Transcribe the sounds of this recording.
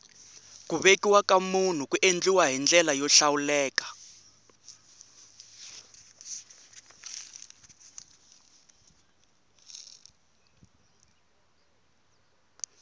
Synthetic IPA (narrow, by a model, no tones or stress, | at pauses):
kuβekiwakamun̤ukuʔend͡ɮiwaɦind͡ɮɛlajɔɬawulɛːkḁ